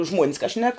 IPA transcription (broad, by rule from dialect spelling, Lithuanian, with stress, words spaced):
ʒmuɔnʲs kɐ ʃʲnʲɛk